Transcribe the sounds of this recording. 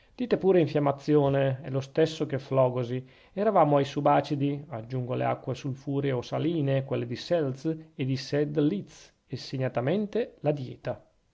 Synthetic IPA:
d̪̥iːt̪epuːɾeiɱfjamːat̪sːjoːneɛ̰lost̪ɛsːokeflɔːɡozi | ɛɾavaːmoajsubaːt͡ʃid̪iad͡ʒːuŋɡolḛa̰kːwesulfuːɾeosaliːnekwɛlːed̪isɛlt̪sed̪isɛd̪lit̪s | esːeɲat̪amɛnt̪elad̪jɛ̰ːt̪a

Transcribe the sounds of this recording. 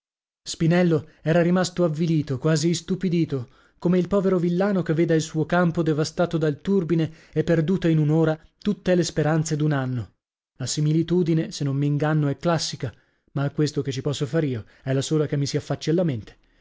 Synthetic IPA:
spinɛlːoɛːɾaɾimast̪oavːiliːt̪okwaːzist̪upid̪iːt̪o | komeilpɔːveɾovilːaːnokevːeːd̪ailsuːokampod̪evast̪aːt̪od̪alt̪urbine | ɛpːerd̪uːt̪ainunoːɾat̪ut̪ːelespeɾant̪sed̪unanːo | lasimilit̪uːd̪inesenːomːiːŋɡanːoɛkːlasːika | maːkːwest̪oket͡ʃːipɔsːofaːɾiːo | ɛlːasoːlakemːisiafːat͡ʃːalːament̪e̥

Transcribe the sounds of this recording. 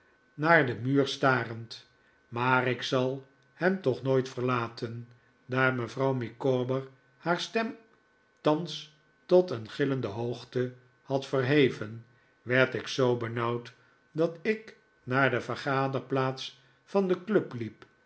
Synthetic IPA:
naːɹdəmyːrstaːrənt | maːrɪksɑlˠ | hɛmtɔχnojtfəɹlaːtʰən | daːɹməvrɑwmikoːbəɹ | haːɹstɛm | tɑns | tɔtənχɪləndəɦoχtə | hɑtfərɦejvən | ʋɛɹtɪksowbənɑwt | dɑtɪk | naːɹdəvəχaːdəɹplaːts | fɑndəklɵplip

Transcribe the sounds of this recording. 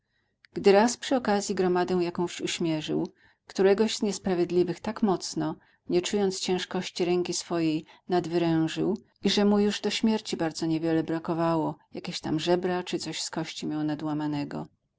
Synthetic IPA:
ɡ̥d̪ɘɾaspʂɘɔkazʲjiɡɾɔmad̪ɛw̃jakɔ̃w̃ɕuɕmʲjɛʐɘ̰w | kt̪uɾɛɡɔʑz̥ɲɛspɾavʲjɛd̪lʲivɘxt̪akmɔt̪snɔ | ɲɛt͡ʂujɔnt̪st͡ɕɛ̃w̃ʂkɔɕt͡ɕiɾɛŋkʲisfɔjejnad̪vɘɾɛ̃w̃ʐɘw | iʐɛmujuʐd̪ɔɕmʲjɛɾt͡ɕibaɾd̪zɔɲɛvʲjɛlɛbɾakɔvawɔjakʲeɕt̪amʐɛbɾat͡ʂɨt̪sɔɕskɔɕt͡ɕimʲjɔw̃nad̪wamanɛɡɔ̰

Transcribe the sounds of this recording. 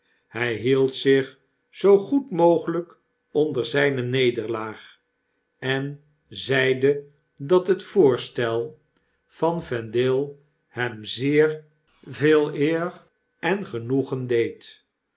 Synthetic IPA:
hɛjɦilˠtsɪχ | z̥owχutmowχələk | ɔndərzɛjnənejdəɹlaːχ | ɛn | zɛjdə | dɑtɦətfʊːɹstɛlˠ | v̥ɑnvɛndɪlˠ | hɛmzɪːɹ | veːlˠɪːr | ɛnχənuχəndejt

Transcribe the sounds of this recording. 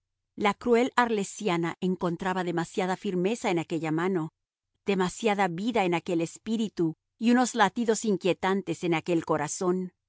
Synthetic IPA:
lakɾue̞laɾle̞sjanaʔe̞ŋko̞nt̪ɾaβaðe̞masjaðafiɾme̞sae̞nake̞ʝamano̞ | ð̥e̞masjaðaβiðaenake̞le̞spiɾit̪u | iuno̞zlat̪iðo̞siŋkje̞t̪ant̪e̞se̞nake̞lko̞ɾaso̞n

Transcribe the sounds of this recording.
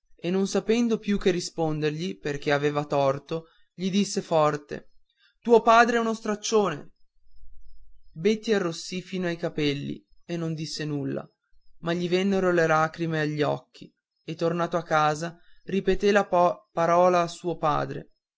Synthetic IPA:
enːonsapɛnd̪opjuk̟ːerːispond̪erʎiperk̟eaveːvat̪ɔrt̪o | ʎid̪isːefɔrt̪ḛ | t̪uːopaːd̪ɾeɛunost̪ɾat͡ʃːoːnḛ | bet̪ːiarːosːifiːnoajkapɛlːḭ | enːond̪isːenulːa̰ | maʎːivɛnːeɾolelaːkɾimeaʎːiɔ̰k̟ːi | et̪ːornaːt̪oakːaːzaripet̪elapaɾɔːlaːsuːopa̰ːd̪ɾḛ

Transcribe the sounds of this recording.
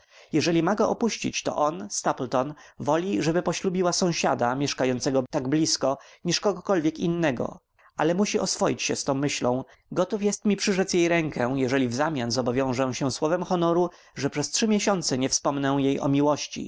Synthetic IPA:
jɛʐɛlʲimaɡɔʔɔpuɕt͡ɕḭt͡ɕt̪ɔ̰ʔɔnst̪aplt̪ɔnvɔlʲiʐɛbɘpɔɕlubʲiwasɔ̃w̃ɕa̰d̪amʲjɛʂkajɔnt̪sɛɡɔt̪aɡblʲiskɔɲiʂkɔɡɔkɔlvʲjɛkḭnːɛɡɔ̰ | alɛmuɕiɔsfɔjit͡ɕɕɛst̪ɔ̃w̃mɘɕlɔ̃w̃ | ɡɔt̪ufjɛst̪mʲipʂɘʐɛt̪sjejɾɛŋkʰɛjɛʐɛlʲivzamʲjanzɔbɔvʲjɔ̃w̃ʐɛw̃ɕɛswɔvɛmxɔnɔɾu | ʐɛpʂɛstʂɘmʲjɛɕɔnt̪sɛɲɛfspɔmnɛw̃jejʔɔ̰mʲiwɔɕt͡ɕḭ

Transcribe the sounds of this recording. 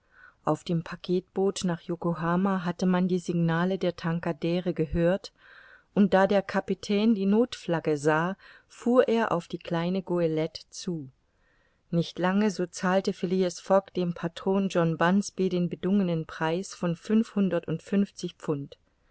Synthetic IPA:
ʔaʊfd̥eːmpʰakʰeːt̚b̥oːtnaːχjokoɦaːmaɦatəmandiːzɪɡnaːlədeːɐtʰaŋkadɛːʁəɡəɦøːɐt | ʔʊnt̚d̥aːdeːɐkʰapitʰɛːndiːnoːtflaɡəzaː | fuːɐʔeːɐʔa̰ʊfd̥iːkl̥aɪnəɡoelɛtt͡suː | nɪçtlaŋəzoːt͡saːltəfeliəsfɔkd̥eːmpʰatʁ̥oːnd͡ʒɔnbansb̥iːɾeːnbədʊŋənənpʁ̥aɪsfɔnfʏnfhʊndɐtʊntfʏnft͡sɪçpp͡fʊnt

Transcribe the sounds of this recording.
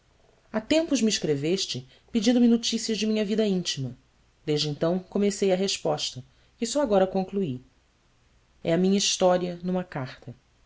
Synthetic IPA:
at̪ẽmpʊzmɪiʃkɾeveʃt͡ʃɪ | pid͡ʒĩnd̪ʊmɪnot͡ʃisiɐzd͡ʒɪmĩɲɐvid̪ɐĩt͡ʃimɐ | d̪eʒd͡ʒɪẽnt̪ɐ̃w̃komesejɐɦeʃpɔʃt̪ɐ | kɪsɔaɡɔɾɐkõŋklui | ɛɐmĩɲɐiʃt̪ɔɾiɐnũmɐkaχt̪ɐ

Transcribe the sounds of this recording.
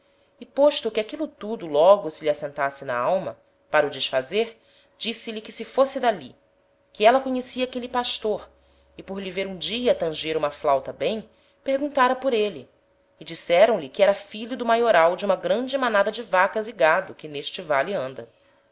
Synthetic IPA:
ɪpoʃt̪ʊkɪakilʊt̪ud̪ʊlɔɡʊsɪliasẽnt̪asɪnɐ̰awmɐ | paɾɐud͡ʒiʃfazeɾ | d͡ʒisɪlikɪsɪfosɪd̪ali | kɪɛlɐkoɲesiɐakelipaʃt̪oɾ | ɪpoɾliveɾũd͡ʒiɐt̪ɐ̃ʒeɾũmɐflawt̪ɐbẽj̃ | pehɡũt̪aɾɐpoɾeliː | d͡ʒisɛɾɐ̃w̃lɪkɪɛɾɐfiʎʊd̪ʊmajoɾawd͡ʒɪũmɐɡɾɐ̃d͡ʒɪmanad̪ɐd͡ʒɪvakɐzɪɡad̪ʊkɪneʃt͡ʃɪvaliɐ̃nd̪ɐ

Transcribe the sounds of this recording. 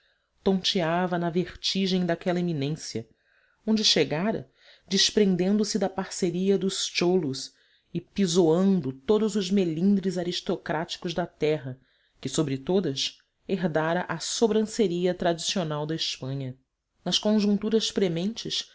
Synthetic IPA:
t̪õnt͡ʃiavɐnɐveχt͡ʃiʒẽj̃d̪akɛlɐeminẽsjɐ̰ | õñd͡ʒɪʃeɡaɾɐ̰ | d͡ʒɪʃpɾẽnd̪ẽnd̪ʊsɪd̪ɐpaɾseɾiɐd̪ʊst͡ʃolʊs | ɪpizoɐ̃nd̪ʊt̪od̪ʊzʊzmelĩnd̪ɾɪzaɾiʃt̪okɾat͡ʃi̥kʊzd̪ɐt̪ɛɦɐ | kɪsobɾɪt̪od̪ɐs | eɦd̪aɾɐʔɐsobɾɐ̃seɾiɐt̪ɾad͡ʒisionawd̪ɐiʃpɐ̃ɲɐ | nɐʃkõʒũt̪uɾɐʃpɾemẽnt͡ʃɪʃ

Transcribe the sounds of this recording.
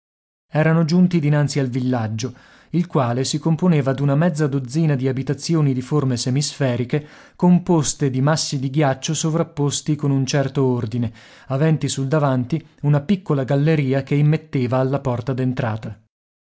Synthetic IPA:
ɛːɾanod͡ʒunt̪id̪inant̪sialvilːad͡ʒːo | ilkwaːlesikomponeːvad̪unamɛd̪zːad̪od̪zːiːnad̪iabit̪at̪sːjoːnid̪iformesemisfɛːɾike | kompost̪ed̪imasːid̪iɡjat͡ʃːosovɾapːost̪ikonunt͡ʃɛrt̪oord̪ine | avɛnt̪isuld̪avant̪i | unapikːolaɡalːeɾiːakeimːet̪ːeːvaːlːapɔrt̪ad̪ent̪ɾa̰ːt̪a

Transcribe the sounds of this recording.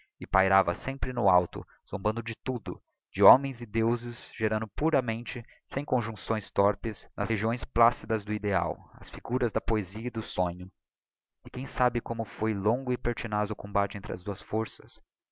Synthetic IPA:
ɪpajɾavɐsẽmpɾɪnʊawt̪ʊ̰ | z̥õmbɐ̃nd̪ʊd͡ʒɪt̪ud̪ʊ̰ | d͡ʒɪɔmẽj̃zɪd̪ewzɪzʒ̥eɾɐ̃nd̪ʊpuɾɐmẽnt͡ʃɪ | sẽj̃kõʒũsõj̃st̪ɔɾpɪsnʔɐ̰zheʒiõj̃splasid̪ɐzd̪ʊid̪ea̰wɐ̰sfiɡuɾɐzd̪ɐpoeziɐɪd̪ʊsõɲʊ | ɪkẽj̃sabɪkõmʊfojlõŋɡʊɪpeɾt͡ʃinazʊʊkõmbat͡ʃɪẽnt̪ɾɪɐ̰zd̪uɐsfoɾsɐs

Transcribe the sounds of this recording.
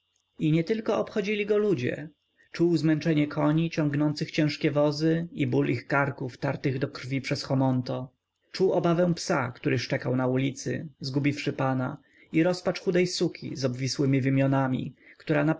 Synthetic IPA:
iɲɛt̪ɘlkɔɔpxɔd͡ʑilʲiɡɔlud͡ʑɛ̰ | t͡ʂuwzmɛnt͡ʂɛɲɛkʰɔɲit͡ɕɔŋɡnɔnt̪sɘxt͡ɕɛ̃w̃ʂkʲɛvɔzɘibulixkaɾkuft̪aɾt̪ɘɣd̪ɔkɾvʲipʂɛsxɔmɔnt̪ɔ | t͡ʂuwɔbavɛ̃w̃psa̰kt̪uɾɘʂt͡ʂɛkawnaulʲit̪sɘ̰zɡubʲifʂɘpana | iɾɔspat͡ʂxud̪ɛjsukʲʰḭzɔbvʲiswɘmʲivimʲjɔnamʲḭkt̪uɾana

